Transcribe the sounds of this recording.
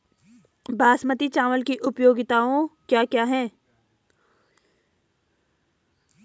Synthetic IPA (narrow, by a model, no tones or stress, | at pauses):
baːsmət̪it͡ʃaːʋəlkiʔʊpjoːɡɪt̪aːõkjaːkjaːɦɛ̃ː